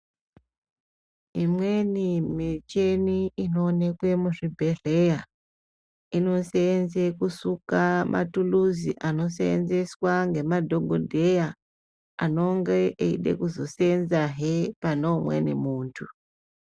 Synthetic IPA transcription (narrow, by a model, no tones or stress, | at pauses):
imwe̞nimet͡ʃeniino̞ːne̞kwe̞muʐibʱe̞re̞ja | ino̞seːnzekusukamʔa̰tuluziʔano̞seḛnze̞swaŋɡe̞madʱo̞ɡʱodʱe̞ja | ano̞ŋɡeʔeḭɗe̞̰kuzo̞seenzaɦepanomwḛnimuːntʰu